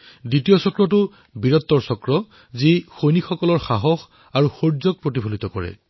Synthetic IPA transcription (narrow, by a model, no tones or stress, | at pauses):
ditijɔsɔkɹɔt̬ʊ | biɹɔt̪ːɔɹsɔkɹɔ | zixojnixɔkɔlɔɹxaɦɔx | aɹuxoɹzɔɡ̚pɹot̬ibʱolit̪ɔkɔɹɛ̰